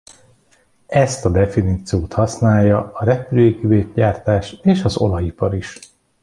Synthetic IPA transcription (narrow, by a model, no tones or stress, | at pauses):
ɛst̪ɒd̪ɛfiniːt̪sijoːt̪hɒsnaːjːɒɒɾɛpyløːɡiveːt̪ɟaːrt̪aːʃeːʃɒzo̞̰lɒjipɒɾiʃ